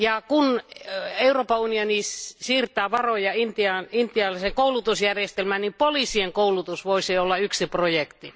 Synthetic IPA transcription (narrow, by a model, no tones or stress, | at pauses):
jɑkun | euroːpɑunionisiːrt̪ˑæːʋɑrojɑint̪iɑnint̪iɑlɑseŋkoulut̪usjærjest̪elmænipoliˑsieŋkoulut̪usʋoisiolːɑyksiprojekt̪i